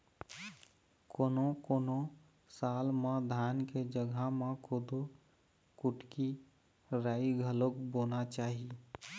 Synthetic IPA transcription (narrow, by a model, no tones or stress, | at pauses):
koːnokoːno | saːlmãd̪ʱaːnked͡ʒəɡʱamãkoːd̪o | kʊʈki | ɾaːiɡʱəlokboːnat͡ʃaːɦi